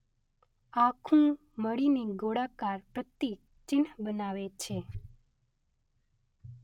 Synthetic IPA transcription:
akʰũ | məɽiniɡoɽakaɾpɾət̪ːik̚ | t͡ʃɪnbənaʋet͡ʃʰe

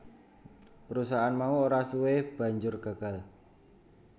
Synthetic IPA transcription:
pəɾusaɦːnmauoɾasuweb̥a̤ɲd͡ʒʊrɡ̥a̤ɡ̥a̤l

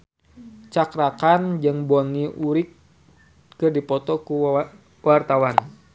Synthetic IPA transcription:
t͡ʃakɾakand͡ʒɨŋbɔniʔuɾɪk̚ | kɨrdipɔt̪ɔku | wart̪awan

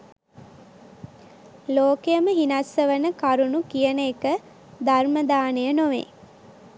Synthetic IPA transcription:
loːkejəməɦinasːəʋənəkaɾunukijənəekə | d̪arməd̪aːnəjənoʋḛː

